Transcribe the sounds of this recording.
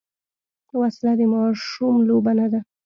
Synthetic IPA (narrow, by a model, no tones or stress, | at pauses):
waslad̪emɑʃumlobanad̪a